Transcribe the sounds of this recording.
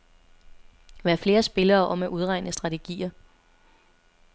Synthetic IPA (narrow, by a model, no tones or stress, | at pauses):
ʋæɐfle̝ːɐsb̥e̝lɐːʔɒ̽mæʔuð̞ˠʁɑ̈ɪ̰nəsd̥ʁɑ̈t͡sʰeɡ̥ḭːɐ